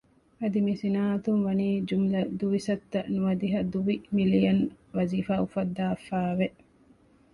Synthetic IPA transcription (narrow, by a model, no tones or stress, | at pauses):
ʔɐd̪imisinaːt̪unʋɐniːd͡ʒumlɐd̪uʋisɐt̪ːɐnuʋɐd̪iɦɐd̪uʋimilijɐn | ʋɐziːfaːufɐd̪ːaːfaːʋeʔ